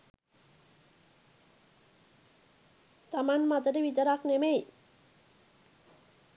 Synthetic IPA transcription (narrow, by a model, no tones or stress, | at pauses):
t̪amanmat̪əʈəʋit̪əɾaknemej